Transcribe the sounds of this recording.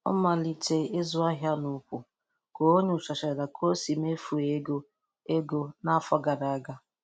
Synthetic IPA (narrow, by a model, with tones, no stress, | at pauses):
ɔ̰˦ma˨li˨te˦e˦zʊ˦a˦ɦja˦nu˨ku˨ | ko˨o˦ɲu˦˨sa˨ʃa˨da˨kʰo˦si˨me˦fu˨e˦ɡo˦ | e˦ɡo˦na˦fɔ˦ɡa˨ɾa˨˦ɡa˦